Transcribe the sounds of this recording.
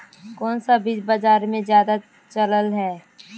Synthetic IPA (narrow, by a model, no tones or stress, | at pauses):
kɔːnsabisbɐd͡ʒaːɾmẽzjaːd̪a | t͡ʃələlɦɛː